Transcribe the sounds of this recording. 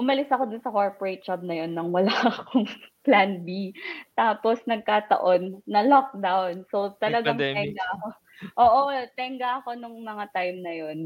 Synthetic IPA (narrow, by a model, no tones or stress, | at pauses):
ʔʊmɐlɪsɐko̞d̪ʊnsɐkoɹpoɹɛt̪̚t͡ʃab̚nɐjo̞nːɐŋwɐlaʔɐkoŋplanbit̪aːpo̞snɐɡ̚kaːt̪ɐ̰ʔo̞nːɐlɔk̚d̪awnso̞wt̪ɐlɐɡaŋt̪ɛɡaɐko | ʔoːʔot̪ɛŋɡɐʔɐko̞nʊŋmɐŋat̪ajmnɐjo̞n